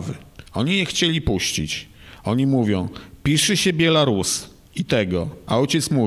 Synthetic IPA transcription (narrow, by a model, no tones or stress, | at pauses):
vɘ̰ɔɲijɛxt͡ɕelʲipuɕt͡ɕḭt͡ɕ | ɔɲimuvʲjɔ̃w̃pʲiʂɘɕɛbʲjɛlaɾus | it̪ɛɡɔaɔjt͡ɕɛt̪smu